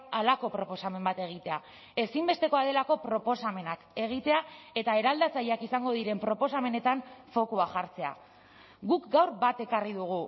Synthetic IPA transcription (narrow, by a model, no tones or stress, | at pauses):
alako̞pɾo̞po̞same̞mbat̪e̞ɣ̞it̪e̞a | e̞simbe̞st̪e̞ko̞að̞e̞lako̞pɾo̞po̞same̞nake̞ɣ̞it̪e̞ae̞t̪ae̞ɾald̪at͡saʎakisaŋɡo̞ð̞iɾe̞mpɾo̞po̞same̞ne̞t̪aɱfo̞koaʝaɾt͡se̞a̰ | ɣukɡawɾbat̪e̞kariðuɣ̞u